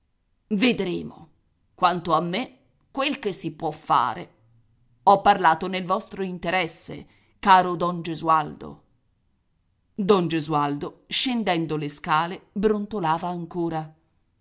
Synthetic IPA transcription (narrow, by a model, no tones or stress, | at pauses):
ved̪ɾḛːmo | kwant̪oamːe | kːwelkesːipwɔfːa̰ːɾḛ | ɔpːarlaːt̪onelvɔst̪ɾoint̪eɾɛsːḛ | kaːɾod̪ɔnd͡ʒezuald̪o̰ | d̪ɔnd͡ʒezuald̪oʃend̪ɛnd̪oleskaːlebɾont̪olaːvaːŋkoːɾa